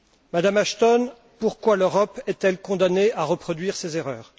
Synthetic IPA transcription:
mad̪amaʃt̪ɔn | puʁkwaløʁɔpɛt̪ɛlkɔ̃d̪aneaʁəpχɔd̪ɥiʁsezeʁœːʁ

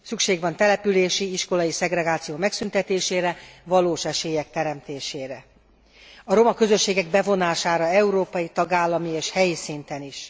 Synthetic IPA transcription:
sykʃeːɡʋɒnt̪ɛlɛpyleːʃiiʃko̞lɒjisɛɡrɛɡaːt̪sijoːmɛksynt̪ɛt̪eːʃeːɾɛvɒloːʃɛʃeːjɛk̚t̪ɛɾɛmt̪eːʃeːɾɛ | ɒɾo̞mɒkø̞zø̞ʃːeːɡɛɡ̚bɛvo̞naːʃaːɾɒɛuɾoːpɒjit̪ɒɡaːlːɒmieːʃhɛjisint̪ɛniʃ

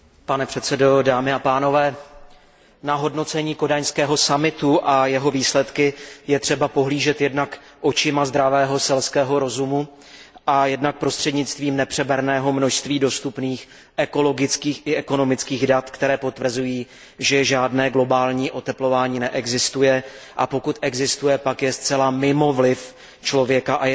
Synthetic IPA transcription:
panɛpr̥ɛt̪t͡sɛdo̞daːmɪapaːno̞vɛː | naɦo̞dno̞t͡sɛɲiːko̞daɲskɛːɦo̞samɪt̪uʔajɛɦo̞viːslɛt̪kɪjɛt̪r̝̥ɛbapo̞ɦliːʒɛt̪jɛdnak | ʔo̞t͡ʃɪmazd̪ɾavɛːɦo̞sɛlskɛːɦo̞ɾo̞zumu | ʔajɛdnak̚pɾo̞st̪r̝̥ɛdɲɪt͡st̪viːmnɛpr̥ɛbɛɾnɛːɦo̞mno̞ʃst̪viːdo̞st̪upniːx | ʔɛko̞lo̞ɡɪt͡skiːxɪʔɛko̞no̞mɪt͡skiːɣdat̪kt̪ɛɾɛːpo̞t̪vr̩zujiː | ʒɛʒaːdnɛːɡlo̞baːlɲiːʔo̞t̪ɛplo̞vaːɲiːnɛʔɛɡzɪst̪ujɛʔa̰po̞kut̪ʔɛɡzɪst̪ujɛpakjɛst͡sɛlamɪmo̞vlɪf | t͡ʃlo̞vjɛkaʔaj

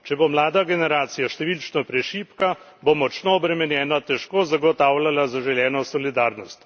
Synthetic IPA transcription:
t͡ʃɛbomlaːd̪aɡɛnɛɾaːt̪sijaʃt̪ɛʋiːlt͡ʃnɔpɾɛʃiːpka | bomɔt͡ʃnoɔbɾɛmɛnjɛːnat̪ɛʃkoːzaɡɔt̪aːwlalazaʒɛljɛːnɔsɔlid̪aːɾnɔst̪

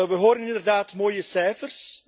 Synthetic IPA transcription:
ʋəɦoːɾənɪnɪndərdaːtmoːjəsɛjfərs

